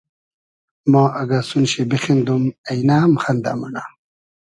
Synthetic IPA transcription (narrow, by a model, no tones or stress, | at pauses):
mãːʔɐɡasunɕebexend̪umɐjnaːmxɐnd̪a̰mɐnaː